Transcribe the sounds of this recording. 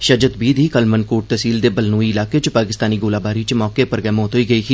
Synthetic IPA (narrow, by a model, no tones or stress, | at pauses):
ʃəd͡ʒət̪biːd̪ʱiːkəlmənkoːʈ̚t̪əsiːld̪eːbəlnuːiɪlaːkeːt͡ʃpaːkɪst̪aːniːɡoːlaːbaːɾiːt͡ʃmɔːkeːpəɾɡɛːmõːt̪ɦoiːɡəiːkʰi